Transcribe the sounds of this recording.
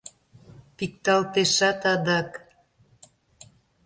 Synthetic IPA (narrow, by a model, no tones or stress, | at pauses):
pik̚t̪ɑlt̪eʃɑt̪ɑd̪ɑk